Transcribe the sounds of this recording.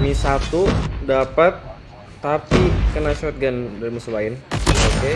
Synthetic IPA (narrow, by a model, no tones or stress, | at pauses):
misat̪udapat̪ː | apikənat͡ʃɔt̪̚ɡandaɾimusubaɪnoke